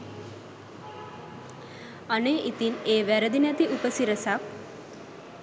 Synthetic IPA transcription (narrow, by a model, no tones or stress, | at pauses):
əneʔit̪iːneʋɛɾəd̪injat̪iʔupəsiɾəsak